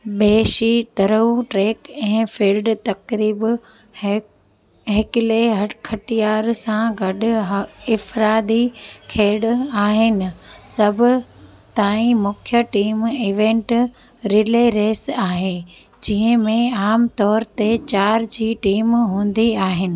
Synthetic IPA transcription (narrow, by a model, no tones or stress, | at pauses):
ɓeːʃit̪ɐɾəuʈɾeːkɛ̃ːfiːlɖt̪ɐkɾiːb | ɦeːkɪleɦɐkʰɐʈijaːɾsãɡɐɗʊɦɪfɾaːd̪ikʰeːɽaːɦɪnɪ̆sɐbʱʊ | t̪aːĩmʊkʰjəʈiːmiʋẽːɳʈɾɪleɾeːsaːɦe | d͡ʑiɦə̃mẽaːmt̪ɔːɾt̪et͡ɕaːɾd͡ʑiːʈiːmɦũːn̆d̪iaːɦɪnɪ̆